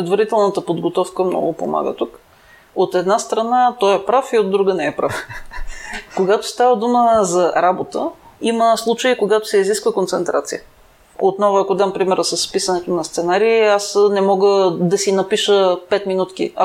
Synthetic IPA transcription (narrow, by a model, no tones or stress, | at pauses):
pɾɛd̪vɐɾit̪ɛlˠnət̪əpod̪ɡot̪ɔfkəmnɔ̰ɡʊpo̰ma̰ɡə̰t̪uk | ot̪ɛd̪nast̪ɾɐnat̪ɔjɛpɾafiod̪ːɾuɡənɛɛpɾa̰f | koɡat̪o̥st̪avəd̪uməzɐɾabot̪əiməslˠut͡ʃəikoɡat̪ʊ̥sɛiziskvəkont̪sɛnt̪ɾa̰t̪sḭjə̰ | ot̪nɔvʊɐkod̪ampɾimɛɾəsɐsːpisənɛt̪onɐst̪sɛnaɾiːasnɛmɔɡəd̪ɐsinɐpiʃəpɛt̪minut̪k̟ḭɐ